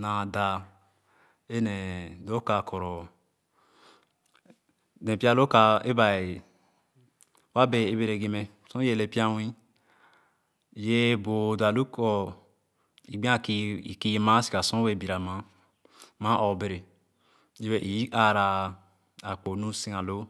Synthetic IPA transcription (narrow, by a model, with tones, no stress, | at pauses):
na˨da˨ | e˦ne˨do˦ka˨kʰɔ˨ɾɔ˨ | nẽ˨pi˦a˦lo˦ka˨e˦ba˨e˨ | wa˦be˨e˦be˨ɾe˨ɡe˨me˨ | sõ˦e˦˨le˨pi˦a˦wĩ˦˨ | je˦bo˨da˨lu˦kɔ˦ | i˨ɡ͡bĩ˦a˦ki˦i˨ki˦je˦ma˦si̥˨ka˨sõ˦we˦˨bi˨ɾa˨ma˨˦ | ma˦ʔo˨be˨ɾe˨ | i˦we˨ʔi˨i˦ʔa˦ɾa˨ | a˨k͡po˨nũ˦si˦ŋa˨lo˦